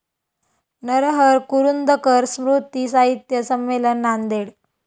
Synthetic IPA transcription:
nəɾɦəɾkuɾund̪ʱəkəɾsmɾut̪isaɦit̪jəsəmːelənːand̪eɽ

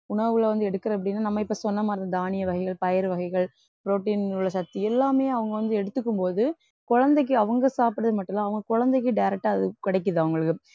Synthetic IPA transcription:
ʊɳɐʋɯlɐʋɐnd̪ɯɛɽɯkːɯɾɐɐp̬ːɐɽɪnːaːnɐmːɐɪpːoːsɔnːɐmaːɾɯnd̪ɐd̪aːnɪjɐʋɐɣɐɪɣɐɭpɐjɐɾʋɐɣɐɪɣɐɭ | pɪɾoːʈːiːnɯɭːɐsɐt̪ːiɛlːaːmeːɐʋɐŋɡɐʋɐnd̪ɯɛɽɯt̪ːɯkːɯmpoːðɯ | kʊɻɐnd̪ɐɪk̬ːɯɐʋɐŋɡɐsaːpɯɽɐðɯmɐʈːɐlãːɐʋɐŋɡɐkʊɻɐnd̪ɛɪk̬ːɯɖɐjɾɛk̚ʈːaːɐðɯkɪɽɐɛɪkːɯðɯɐʋɐŋɡɐɭɯkːɯ

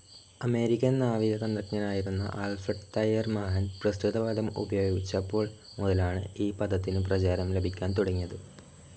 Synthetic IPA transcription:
ɐme̞ːɾikʲːɐnnaːʋiɣɐɣɐnrɐkɲɐnaːjiɾunːɐ̰ʔaːlfrɐʈt̪ɐjɐrmɐɦɐnprɐst̪ut̪ɐʋɐd̪ʱɐmṵbɐjoːɡit͡ɕːɐpːo̞ːɭ | muðɐlaːɳɨiːpɐd̪ɐt̪ːinɨprɐt͡ɕaːɾɐmlebʱikʲːaːnt̪oɽɐŋːijɐðɨ

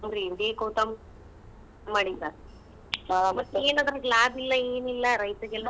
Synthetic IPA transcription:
nɾind̪eːkoːt̪ɐm | maːɽisaɾ | mɐt̪ːeːnaːd̪ɐɾɐklaːbilːɐeːnilːɐɾɐjt̪ɐɡɛlːɐ

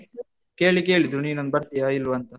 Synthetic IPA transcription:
keːɭikeːɭid̪ɾuniːnɐnbɐɾt̪ijaːilʋɐnt̪ɐ

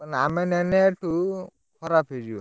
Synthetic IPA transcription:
namɛnɛnɛʈu | kʰɔɾapʰeziɔ

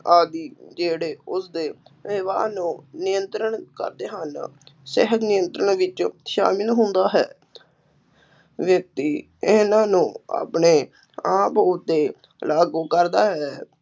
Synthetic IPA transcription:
aːd̪iːd͡ʒeːɽeːʊsd̪eːʋɪʋaːnũːnɪjənt̪ɾəɳkə̰ɾd̪eːɦənsɛɦək̪nɪjənt̪ɾəɳʋɪt͡ʃʃa̰ːmɪlɦʊnd̪aːɦɛː | ʋək̚t̪iː | ɪnãːnũːa̰ːpɳeː | ãːpoːt̪eː | laːɡuːkəɾd̪aːɦɛː

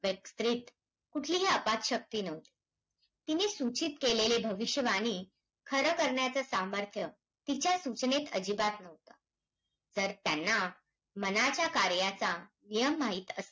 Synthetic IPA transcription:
ʋjəkst̪ɾit̪ | kuʈʰliːɦeəpat̪ɕək̚t̪iːnəʋt̪i̥ | t̪inesut͡ɕit̪̚kelelebʱəʋiɕjəʋañiː | kʰəɾəkəɾɳjat͡səsaməɾt̪ʰjə | t̪it͡ɕjasut͡ɕnet̪əd͡ʑibat̪nəʋt̪ə | d͡zəɾt̪janːa | mənat͡ɕjakaɾjat͡sa | nijəmːaɦit̪əs

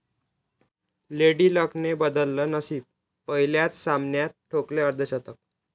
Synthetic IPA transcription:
leɽiːləknebəd̪əlːənəsiːb̚ | pəɦiljat͡ssamnjat̪̚ʈʰokleəɾd̪ʱəɕat̪ək̚

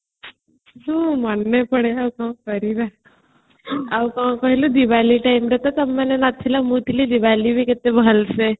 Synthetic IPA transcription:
ɦũmanːepəɽeawkaɦãkəɾid̪a | akaãkəɦilud̪iʋaːliʈaːimɾet̪at̪əmːenenat̪ʰːilamut̪ilid̪iʋalibʱiket̪ebʱəlse

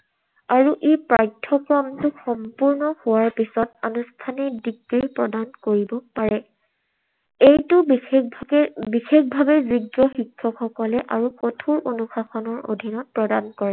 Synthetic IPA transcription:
aɹuʔepɹajtʰːɔkɹɔmtʊxɔmpuɹnɔhʊwaɹpisɔtanustʰanidiɡɹiɹpɹɔdankoɹibɔpaɹɛ | ejtʊ | bixekbʱabɛziɡɔxikʰːɔkxɔkɔlɛʔaɹukotʰuɹonuxaxɔnɔɹo̰dʱinɔt̚pɹɔdankɔɹɛ

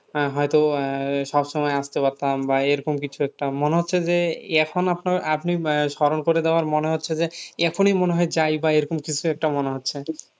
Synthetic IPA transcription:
ɦɔjt̪oʃɔbʃɔmɔeast̪epaɾt̪ambaeɾokomkit͡ɕʰuɛk̚ʈamoneɦotːɕʰed͡ʑeɛkʰonapnaɾapniʃɔɾonkoɾed̪eoaɾmoneɦotːɕʰed͡ʑeɛkʰonimoneɦɔed͡ʑajbaejɾokomkit͡ɕʰuɛk̚ʈamoneɦotːʰe

